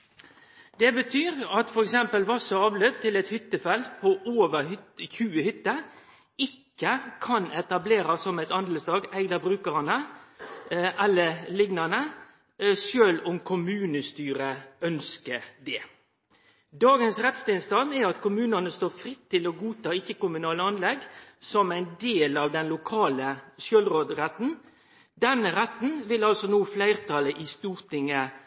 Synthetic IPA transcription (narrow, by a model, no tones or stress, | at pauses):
d̪̥ɛbət̪ʰyːɾɑt̪fɔɾɛksɛmpəlʋɑsɔɑːʋløːp̚t̪ʰɪlɛt̪hʏt̪ːəfɛld̪pʰɔʔoːʋəɾçʉːəhʏt̪ːə | ɪkːəkʰɑnɛt̪ɑbleːɾɑsːɔmɛɪt̪ɑnd̪ləsd̪ɑːɡæɪd̪əbɾʉːkəʁɑnə | ʔɛlːəlɪɡnɑnə | søːlʊmkʰʊmʉːnəst̪yːɾəœnskəd̪ɛ | d̪ɑːɡənsʁɛt̪st̪ɪnst̪ɑnɛɑt̪kʰʊmʉːnənəst̪oːfɾɪt̪ʰːɪlɔɡuːt̪ɑːɪçːəkʊmʉnɑːləɑnlɛɡsɔmæɪnd̪eːlɑːʋd̪ɛnlʊkʰɑːləsjøːlʁoːd̪ɾɛt̪ːn̩ | d̪ɛnəɾɛt̪ːn̩ʋɪlɑlsɔnuːflæɪʁt̪ʰɑləʔɪst̪uːɾt̪ʰɪŋə